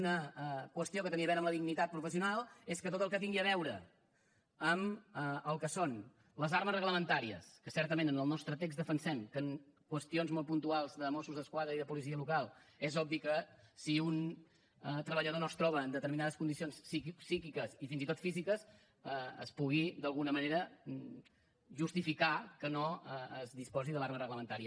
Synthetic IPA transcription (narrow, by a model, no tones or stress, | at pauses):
nəkwəst̪iokət̪əniəβɛɾəmləðiɡnit̪at̪̚pɾufəsiunalˠeskət̪ot̪əlˠkətiŋɡiəβɛwɾə | əməəlˠkəson | ləzaɾməzrəɣləmənt̪aɾiə̰skəsɛɾt̪əmẽnənəlˠnɔst̪ɾət̪ekzðəfənsɛmkəŋkwəst̪ionzmolˠpunt̪ualˠzðəmosuzðəskwaðɾəiðəpuliziəlukalˠɛzɔb̚bikəsiun | ət̪ɾəβəʎəðonost̪ɾɔβəːnd̪ət̪əɾminaðəskund̪isionsisikikəsifinzit̪ot̪fizikəs | əə̰spuɣid̪əlˠɣunəməneɾə | ʒust̪ifikakənoəəzðispɔziðəlaɾmərəɣləmənt̪aɾiə